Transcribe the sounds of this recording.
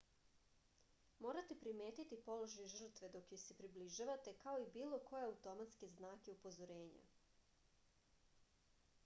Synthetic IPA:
mo̞ːɾat̪epɾime̞ːt̪it̪ipo̞loʒajʒ̩r̩t̪ʋe̞d̪o̞kjojse̞pɾibliʒaʋat̪e̞kao̞ibiːlˠo̞ko̞jeaut̪o̞mat̪ske̞znaːkeupo̞zo̞ɾe̞ːɲa̰

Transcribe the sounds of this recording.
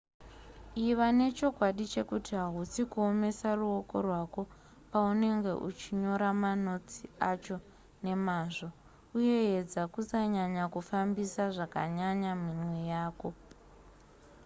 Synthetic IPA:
iʋane̞t͡ʃo̞kwaɗit͡ʃe̞kutiɦaɦusikuo̞me̞saruo̞ko̞̰rwako̞ | paune̞ŋɡe̞̰ʔut͡ʃiɲo̞ɾamano̞t͡siat͡ʃo̞ | ne̞maːʐo̞ | uje̞ed͡zakusaɲaɲakufambisaʐaka̰ɲaɲaminwe̞jaːko̞

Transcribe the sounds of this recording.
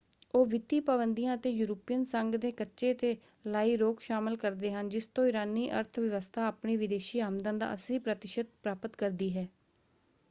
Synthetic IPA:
oːʋɪt̪iːpəbənd̪ijãːət̪eːjuːɾəpijənsəŋɡd̪eːkətːʃeːt̪eː | laːiːɾoːkʃaːmɪlkəɾd̪eːɦənd͡ʒɪst̪õːɪɾaːniːʔə̰ɾt̪ʰʋɪʋəst̪ʰaːaːpɳiːʋɪd̪eːʃiːaːmd̪ãːd̪a̰ːəsiːpɾət̪ɪʃət̪̚pɾaːpət̪kəɾd̪iːɦɛː

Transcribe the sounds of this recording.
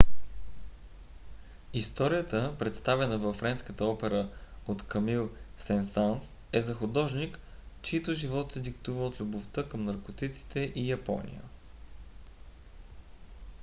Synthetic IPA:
ist̪ɔɾijət̪əpɾɛt̪st̪avɛnəvɐfːɾɛnskət̪əɔpɛɾəot̪kʰɐmilˠsɛnsans | ɛzɐxʊd̪ɔʒnikt͡ʃit̪oʒivɔt̪sɛd̪ikt̪uvəot̪lʲuboft̪əkəmnɐɾkot̪it̪si̥t̪ɛʔijɐpɔ̰nḭjə̰

